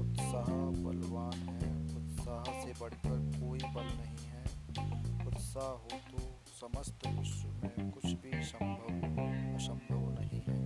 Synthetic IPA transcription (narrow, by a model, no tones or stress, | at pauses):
ʊt̪saːɦabɐlʋaːnɦɛʊt̪saːɦsebɐɽ̤kəɾkoːibɐlnɐɦĩɦɛː | ʊt̪saːɦɦoːt̪o | sɐməst̪ʰʊsumẽkkʊt͡ʃʰbʱisə̃mbʱəbsə̃mbʱəʋnɐɦĩɦɛː